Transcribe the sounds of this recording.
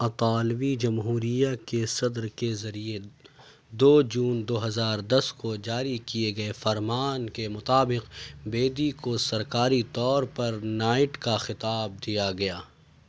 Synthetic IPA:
ɐt̪aːlʋid͡ʒɐmɦuːɾijakesɐd̪ɾkezɐɾie | d̪oːd͡ʒuːnd̪oːɦɐzaːɾd̪ɐskod͡ʒaːɾikieɡɐefɐɾmaːnkemʊt̪aːbɪqbeːd̪ikosɐɾkaːɾit̪ɔːɾpɐɾnaːɪʈkaxɪt̪aːb̚d̪ijaɡɐjaː

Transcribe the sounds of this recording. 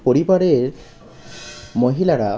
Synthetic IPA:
poɾibaɽeɾ | moɦilaɾa

